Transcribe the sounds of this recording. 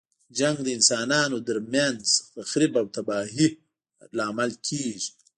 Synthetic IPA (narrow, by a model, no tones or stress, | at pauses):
d͡ʒaŋɡd̪əɪnsɑːnɑːnod̪əɾmjanzfaxɾibawt̪abaːɦi | laːmalkʰeːʒi